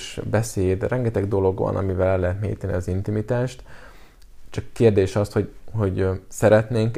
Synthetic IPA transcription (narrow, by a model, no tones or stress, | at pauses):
ʃbɛseːd̪rɛŋɡɛt̪ɛɡd̪o̞lo̞ɡʋɒ̰nʔɒ̰mivɛlɛlːɛɦɛt̪mḛːjit̪ɛnḭɒzint̪imit̪aːʃt̪ | t͡ʃɒkːeːrd̪eːʃɒst̪ho̞ɟho̞ɟsɛɾɛt̪neːŋk